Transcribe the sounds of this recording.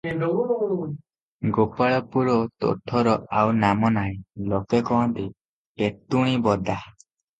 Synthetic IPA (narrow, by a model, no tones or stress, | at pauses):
ɡopaɭɔpuɭɔt̪ɔ̰ʈʰɔɾɔʔawnamɔnaĩlɔkekɔɦɔ̃nt̪i | pet̪uɽ̃ibɔd̪a